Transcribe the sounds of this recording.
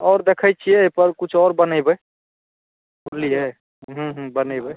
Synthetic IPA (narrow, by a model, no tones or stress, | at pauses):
ɔːɾd̪ekʰəjt͡ʃʰiɛpəɾkut͡ʃʰɔɾbənəjbəj | buliɦɛ | ɦũɦũbənəjbəj